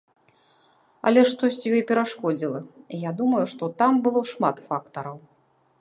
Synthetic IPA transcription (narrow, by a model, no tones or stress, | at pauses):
ɐ̰lʲɛʂt̪ɔsʲt͡sʲjɔjpʲɛɾaʂkɔd͡zʲilˠɐijad̪umɐjuʂt̪ɔt̪ambɨlˠɔʂmat̪fakt̪ɐɾɐw